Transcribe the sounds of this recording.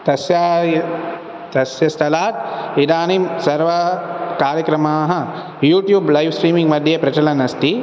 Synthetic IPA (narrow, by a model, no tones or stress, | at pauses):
t̪ɐsjaː | t̪ɐsjɐst̪ʰɐlaːt̪̚id̪aːnimsɐɾʋɐkaːɾjɐkɾɐmaːɦɐ̆ | juːʈjuːblɐjʋsʈɾiːmiŋɡmɐd̪ʱjɐpɾɐt͡ʃɐlɐnɐst̪i